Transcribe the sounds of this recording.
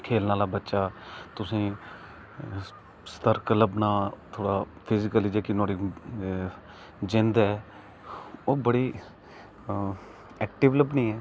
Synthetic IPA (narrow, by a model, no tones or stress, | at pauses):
kʰeːlnaːlaːbətːʃaːt̪ʊsĩː | st̪əɾkələbnaːt̪ʰoːɽaː | pʰɪzɪkəlid͡ʒeːkinoːɽi | d͡ʒɪ̃nd̪ɛː | oːbəɽiː | ɛːk̚ʈɪʋləbnĩːɛː